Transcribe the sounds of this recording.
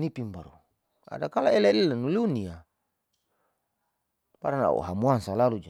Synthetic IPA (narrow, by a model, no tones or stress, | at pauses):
nipimbaɾṵ | a̰dakalaelelilanuliunia | paɾana̰ṵɦamuaŋsalalud͡ʒa